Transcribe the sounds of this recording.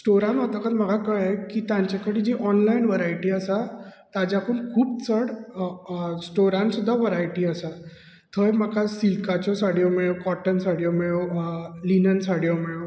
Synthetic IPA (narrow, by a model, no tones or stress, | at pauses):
sʈoɾanat̪əkət̪m̤əɡʱakəɭekit̪ãɲt͡ɕakəɽid͡ʑiʔɔnlainʋəɾaiʈiːəsat̪ad͡ʑakuːnkʰuːp̚t͡səɽ | sʈoɾãnsud̪ʱːaʋəɾaiʈiːəsa | t̪ʰəjməkasilkat͡ɕɔsaɽjɔmiɭokɔʈənsaɽjɔmiɭolinənsaɽjɔmiɭo